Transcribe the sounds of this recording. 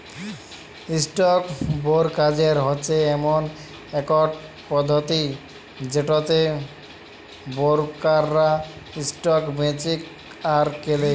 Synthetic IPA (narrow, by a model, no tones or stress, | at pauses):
isʈɔkboɾkad͡ʑeɾɦotːɕʰeɛmon | ɛkɔɖ | pɔd̪ʱːot̪i | d͡ʑeʈot̪e | boɾkaɾːaisʈɔkmet͡ɕik | aɾkele